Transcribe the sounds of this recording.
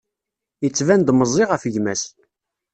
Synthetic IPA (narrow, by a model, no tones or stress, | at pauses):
jət͡sːvænd̪məzˤiʁəfəʝmæs